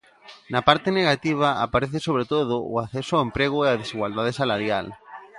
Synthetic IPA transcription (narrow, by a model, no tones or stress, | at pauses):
napaɾt̪eneɣat̪iβ̞aa̰paɾeθesoβ̞ɾet̪oð̞oʊ̰aθesoaempɾeɣ̞oeað̞esiɣwald̪að̞esalaɾjal